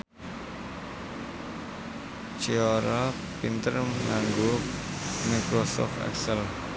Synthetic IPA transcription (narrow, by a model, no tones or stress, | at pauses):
t͡ʃiɔɾa | pint̪ərməŋaŋɡo | makɾɔsɔ̰ft̪ɛ̰ksəl